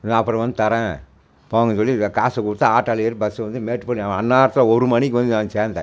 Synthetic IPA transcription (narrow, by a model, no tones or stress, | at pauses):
nãɐpːɯɾɐ̃ʋɐnd̪ɯt̪ɐɾɛ̃ | poːŋɡɐsɔlːikaːsɐkʊɽɯt̪ːaaːʈːɐlɐjɐɾbɐsɯʋɐnd̪ɯmeːʈːpɐnːiaɐnːaːɾɐt̪ːɯlɐɔɾɯmɐnikːʋɐnd̪ɯnaːnt͡ʃeːnd̪ɐ̰